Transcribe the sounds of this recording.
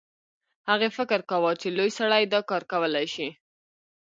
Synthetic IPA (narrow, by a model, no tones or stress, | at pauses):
haɣefɪkəɾkawɑt͡ʃelojsaɽajd̪ɑkɑɾkawəlajʃi